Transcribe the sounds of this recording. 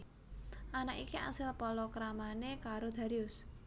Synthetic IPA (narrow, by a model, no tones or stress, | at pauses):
ʔanakikiʔa̰sɪlpɔlɔkɾamanekaɾod̪̥a̤ɾiʊs